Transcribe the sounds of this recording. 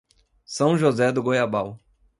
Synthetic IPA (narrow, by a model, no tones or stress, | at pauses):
sɐ̃w̃ʒozɛd̪ʊɡojabaw